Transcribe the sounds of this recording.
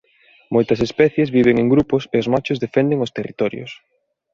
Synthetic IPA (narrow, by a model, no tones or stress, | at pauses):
mojt̪ɐsespɛθjezβiβeŋeŋɡɾupʊseozmat͡ʃʊzðefɛnd̪eŋost̪erit̪ɔɾjo̰s